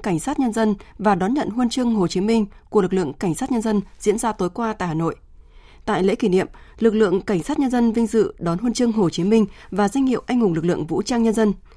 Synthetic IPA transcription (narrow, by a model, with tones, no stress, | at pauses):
ka˧˩ŋ̟saː˦˥t̚ɲə˧nzə˧nvaː˨˩ɗɔ˨˦nɲə̰˧˨nhu˧nt͡ɕɨ˧əŋɦo˨˩t͡ɕi˨˦mï˧ŋ̟ku˨˩əlk̚lɨ̰˧˨əŋka˧˩jŋ̟saː˦˥t̚ɲə˧nzə˧nzḭ˧˥ənzaː˧t̪o˨˦jkwaː˧t̪a̰ː˧˨jhaː˨˩no̰˧˨j | t̪a̰ː˧˨jlḛ˧˥ki˧˩nḭ˧˨əmlɨ˨˩k̚lɨ̰˧˨əŋka˧˩jŋ̟saː˦˥t̚ɲə˧nzə˧nvï˧ŋ̟zɨ̰˧˨ɗɔ˨˦nhwu˧nt͡ɕɨ˧əŋɦo˨˩t͡ɕi˨˦mï˧ŋ̟vaː˨˩zwa˧jŋ̟hḭ˧˨əwʔa˧jŋ̟hʊ˨˩ŋ͡mlɨ˨˩k̚lɨ̰˧˨əŋvṵ˧˥t͡ɕaː˧ŋɲə˧nzə˧n